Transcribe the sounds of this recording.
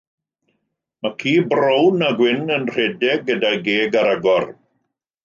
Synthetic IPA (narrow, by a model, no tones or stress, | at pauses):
makʰiːbrownaɡwɪnənr̥edɛɡːədajɡeːɡaɾaɡɔr